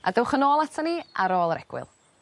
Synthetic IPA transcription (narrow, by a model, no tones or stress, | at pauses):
a̰dəwχənoːlˠatʰaniʔaɾoːlˠəɾɛɡ̥wɪ̰lˠ